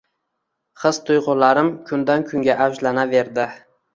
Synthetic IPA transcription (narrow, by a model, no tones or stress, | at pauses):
χɨz̥t̪ʰʊjʁʊlaɾɪmkʰʊnd̪ankʰʊŋɡʲaʔawʒlanave̞ɾd̪ɪ